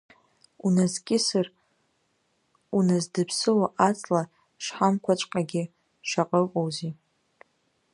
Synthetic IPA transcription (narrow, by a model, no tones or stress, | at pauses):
unazkʲʼɪsar | unazdɨpʰsɨwaʔat͡sʼla | ʂħamkʷʰat͡ʃʷʼqʼaɡʲɪ | ʂaqʼəqʼowzi